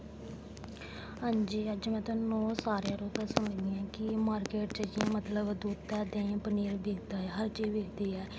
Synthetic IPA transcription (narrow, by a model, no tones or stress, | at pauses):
ɦãːɲd͡ʒiːəd͡ʒmɛ̃ːt̪ɔ̃ːnɔːsaːɾjãːɾoːt̪aːsəməd͡ʒd̪iːãːkɪmaːɾkeːʈt͡ʃəd͡ʒiãːmət̪ləbd̪uːd̪t̪ɛːd̪ẽːãpəniːɾbeːkʰd̪aːɛɦəɾt͡ʃiːbeːkʰd̪iːɛː